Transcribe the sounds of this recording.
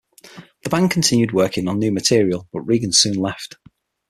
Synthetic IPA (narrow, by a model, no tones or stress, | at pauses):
ðəbãŋkʰə̃ntʰɪ̃njʉd̚wɜˑkɪ̃ŋə̃nːjʉːmətʰɪəɹiəlˠb̥ʌʔɹiːɡə̃n̥sʉ̃ːnlɛft